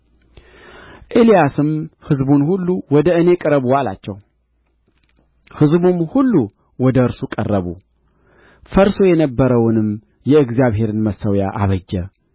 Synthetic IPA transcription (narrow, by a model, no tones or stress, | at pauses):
ʔelijasɨmhɨzbunhulːuwɔd̪əɨne̞kʼɨɾəβuwala̰t͡ʃːɛw | hɨzbumhulːu | wɔd̪əɨɾsukʼərːəβṵ | fəɾso̞jɛnəbːəɾəwʊnɨm | jɛɨɡzjaβɦe̞ɾɨnməsːəwja̰ʔaβəd͡ʒːɛ